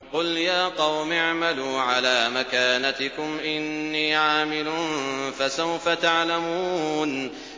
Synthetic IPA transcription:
qʊljaːqɑwmɪʕmaluːʕalaːmakaːnat̪ɪkʊmʔɪnːiːʕaːmɪlunfasawfat̪aʕlamuːn

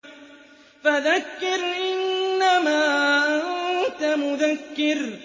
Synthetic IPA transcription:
faðakːɪɾʔɪnːamaːʔant̪amʊðakːɪɾ

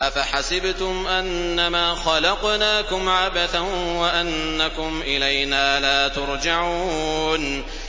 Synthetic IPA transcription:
ʔafaħasɪbt̪ʊmʔanːamaːxɑlɑqnaːkʊmʕabaθanwaʔanːakʊmʔɪlajnaːlaːt̪ʊɾd͡ʒaʕuːn

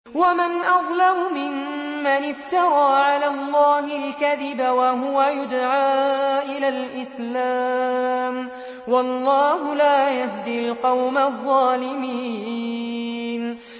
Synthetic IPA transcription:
wamɪnʔɑðˤlamʊmɪmːanɪft̪ɑɾˤɑːʕalaːlˤːɑːhɪlkaðɪbawaɦʊwajʊd̪ʕaːʔɪlaːlʔɪslaːm | wɑlˤːɑːɦʊlaːjahd̪ɪlqɑwmaðˤːɑːlɪmiː | n

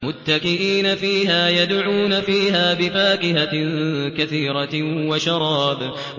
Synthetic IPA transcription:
mʊt̪ːakɪʔiːnafiːɦaːjad̪ʕuːnafiːɦaːbɪfaːkɪhakaθiːɾˤɑwaʃɑɾˤɑːb

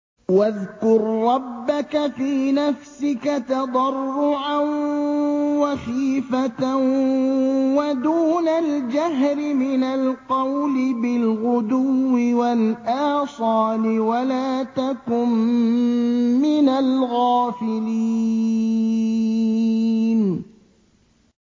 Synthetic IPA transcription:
waðkʊɾːɑbːakafiːnafsɪkat̪ɑd̪ˤɑrˤːʊʕan | waxiːfat̪ | wad̪uːnald͡ʒaɦɾɪmɪnalqɑwlɪbɪlɣʊd̪ʊwːɪwalʔaːsˤɑːlɪwalaːt̪akʊm | ɪnalɣaːfɪliː | n

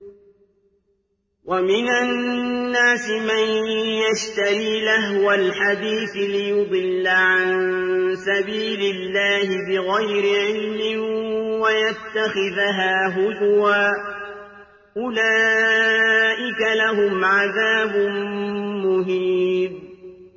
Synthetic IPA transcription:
wʔamɪnanːaːsɪmanjaʃt̪aɾiːlaɦwalħad̪iːθlɪjʊd̪ˤɨlːaʕansabiːlɪlːaːhɪbɪɣajɾɪʕɪlmɪwajat̪ːaxɪðɦaːɦʊðʊwaː | ʔʊlaː | ʔɪkalaɦʊmʕaðaːbʊ | mʊɦib

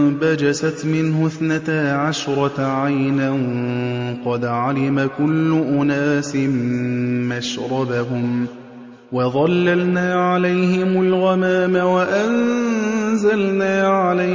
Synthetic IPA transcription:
bad͡ʒasat̪mɪnɦʊθnat̪aʕaʃɾˤɑʕajnan | qɑd̪ʕalɪmakʊlːʊʔʊnaːsɪmmaʃɾˤɑbaɦʊm | wɑðˤɑlːalnaːʕalajhɪmʊlɣɑmaːmawaʔan | zalnaːʕala

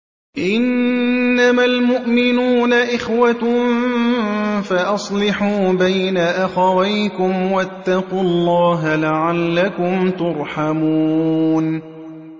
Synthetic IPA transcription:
ʔɪnː | amalmʊʔmɪnuːnaʔɪxwat̪ | faʔɑsˤlɪħuːbajnaʔaxawajkʊmwat̪ːɑqulˤːɑːɦalaʕalːakʊmt̪ʊɾˤħamuːn

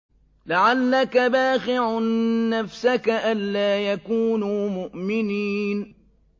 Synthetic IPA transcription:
laʕalːakabaːxɪʕːafsakaʔanːaːjakuːnuːmʊʔmɪniːn

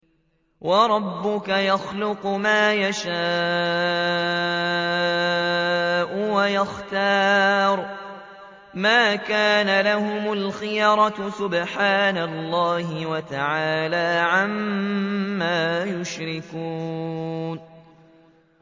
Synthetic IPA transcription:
wɑɾˤɑbːʊkajaxlʊqmaːjaʃaː | ʔʊwajaxt̪ɑːɾˤ | maːkaːnalahʊmʊlxɪjɾˤɑsʊbħaːnalˤːaːhɪwat̪aʕaːlaːʕamː | aːjʊʃɾɪkuːn

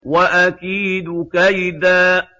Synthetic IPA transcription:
waʔakiːd̪kajd̪aː

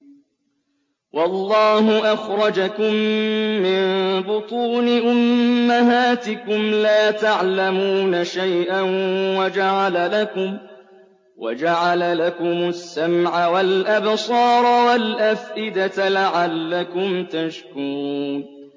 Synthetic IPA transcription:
wʔɑlˤːɑːhʊʔaxɾˤɑd͡ʒakʊmːɪnbʊt̪ˤuːnɪʔʊmːaɦaːt̪ɪkʊmlaːt̪aʕlamuːnaʃajʔanwad͡ʒaʕalalakʊm | wʔa̰d͡ʒaʕalalakʊmʊsːamʕawalʔabsˤɑːɾˤwalʔafʔɪd̪at̪laʕalːakʊmt̪aʃkʊɾuːn

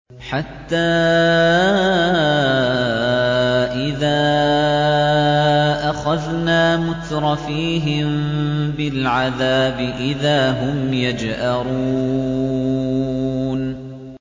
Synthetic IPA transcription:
ħat̪ːaː | ʔɪðaː | ʔaxaðnaːmʊt̪ɾˤɑfiːɦɪmbɪlʕaðaːbɪʔɪðaːɦʊmjad͡ʒhaɾu | n

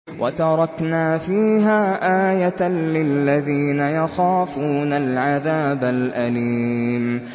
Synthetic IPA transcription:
wʔat̪ɑɾˤɑknaːfiːɦaːʔaːjat̪alɪlːaðiːnajaxaːfuːnalʕaðaːbalʔaliːm

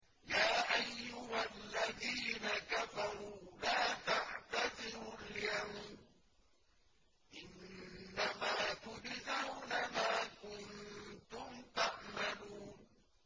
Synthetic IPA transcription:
jaːʔajːʊhalːaðiːnakafɑɾuːlaːt̪aʕt̪azɪɾʊljamn | ʔɪnːamaːt̪ʊd͡ʒɪzawnamaːkʊnt̪ʊmt̪aʔmaluːn

